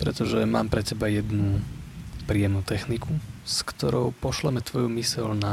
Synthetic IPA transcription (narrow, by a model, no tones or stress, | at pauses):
pɾɛ̰t̪ɔʒɛmaːmpɾɛtɛbajɛd̪nu | pɾijɛmnuːt̪ɛxnikʰuskt̪ɔɾɔʊpɔʃlɛmɛt̪ʋɔjumisɛlna